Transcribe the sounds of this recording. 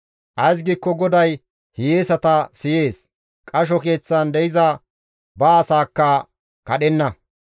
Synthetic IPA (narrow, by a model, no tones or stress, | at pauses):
ʔɐjs̬ɡikːɔɡɔd̪ɐj | hɪjeːsɐt̪ɐsɪje̞ːs | kʼɐʃ̬ɔke̞ːt͡sːɐnd̪ɛjɪzɐ | bɐːsaːkːɐ | kɐɗɛnːɐ